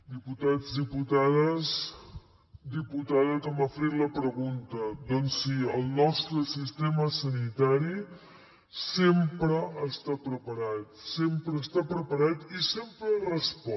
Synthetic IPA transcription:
d̪iput̪ad͡zd̪iput̪aðəs | d̪iput̪aðəkaməfɾiləpɾəɣunt̪əd̪ɔnsiəlˠnɔst̪ɾəsist̪eməsənit̪aɾi | sempɾəːst̪apɾəpəɾat̪̚sempɾəːst̪apɾəpəɾat̪isempɾərəspɔ

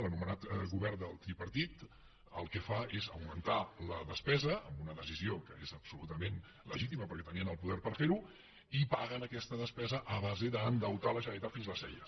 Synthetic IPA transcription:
lənumənat̪ɣuβɛɾd̪əlˠt̪ɾipəɾt̪it̪ | əlˠkɛfaezəwmənt̪aləðəspɛzəə̰mbunəðəziziokəezəpsulut̪əmen | lə̰ʒit̪iməpəɾkɛt̪əniənəlˠpuðɛɾpəɾfeɾu | ipaɣənəkɛst̪əðəspɛzəʔəβazeðəːnd̪əwt̪aləʒəit̪at̪finzləsɛʎə

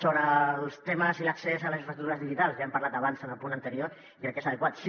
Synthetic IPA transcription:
soβɾəlˠst̪eməziləksezələsĩɱfɾəst̪ut̪uɾəzðiʒit̪alˠsjampaɾlat̪əβ̞ansənəlˠpunənt̪əɾioɾ | iəlˠkesəðəkwat̪s

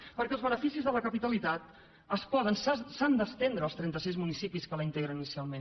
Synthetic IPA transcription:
pəɾkɛlzβənəfisizðələkəpit̪əlit̪at̪ | əspɔð̞ənssand̪əst̪end̪ɾəːlst̪ɾɛnt̪əs̬izmunisipiskələint̪eɣɾəninisialˠmẽn

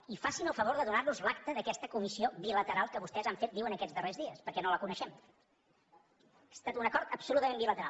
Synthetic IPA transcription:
ifasinəlˠfəβoɾðəðunaɾnuzlakt̪əðəkɛst̪əkumisioβilət̪əɾalˠkəβust̪ɛzaɱfet̪̚d̪iwənəkɛd͡zzd̪ərezðiəspəɾkɛnoləkunəʃɛm | ast̪at̪unəkɔɾt̪əpsulut̪əmẽmbilət̪əɾa̰lˠ

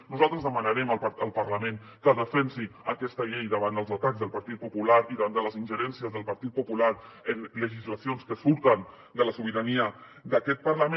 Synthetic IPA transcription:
nuzalˠt̪ɾəzðəmənəɾɛmələlˠpəɾləmẽn | kəðəfɛnsiəkɛst̪əʎɛjðəβand̪əlˠzət̪aɡzðəlˠpəɾt̪it̪̚pupulaɾiðəβand̪ələzinʲʒəɾɛnsiəzðəlˠpəɾt̪it̪̚pupulaɾ | ənləʒizləsionskəsuɾt̪ən | d̪ələsuβiɾəniə | d̪əkɛt̪̚pəɾləmẽ

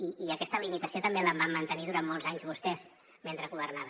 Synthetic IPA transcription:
iiəkɛst̪əlimit̪əsiot̪əmbeləmbamːənt̪əniðuɾammːɔlˠzaɲzβust̪ɛz | ment̪ɾəɣuβərnaβə

